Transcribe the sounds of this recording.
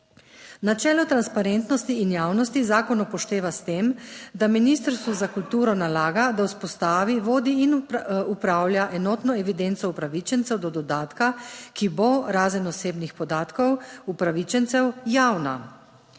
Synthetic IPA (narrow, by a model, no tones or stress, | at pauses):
nat͡ʃɛːlɔt̪ɾanspaɾent̪nɔst̪iːnjaːwnɔst̪izaːkɔnɔpɔʃt̪eːʋast̪eːmd̪aminist̪əɾst̪ʋuzakult̪uːɾɔnalaːɡad̪auspɔst̪aːʋiʋoːd̪iinupɾaːwljaʔɛnɔːt̪nɔɛʋid̪ent̪sɔupɾaʋit͡ʃɛnt̪sɛwd̪ɔd̪ɔd̪aːt̪kakiboɾaːzɛnɔseːbnixpɔd̪aːt̪kɔwupɾaʋit͡ʃɛnsɛwjaːwna̰